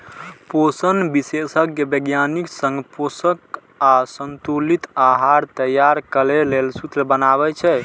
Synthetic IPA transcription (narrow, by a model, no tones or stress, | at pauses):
posənbisesəkːebəɡjaniksə̃ŋɡposək | asənt̪ulit̪aɦaɾt̪əjaɾkəlelelsut̪ɾəbənaβɛt͡ʃʰɛ